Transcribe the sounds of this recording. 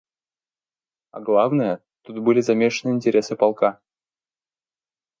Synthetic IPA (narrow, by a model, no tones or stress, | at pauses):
a̰ɡlˠavnəjə | t̪ut̪̚bɨlʲɪzɐmʲeʂənɨinʲtʲɪɾʲe̞sɨpɑlˠka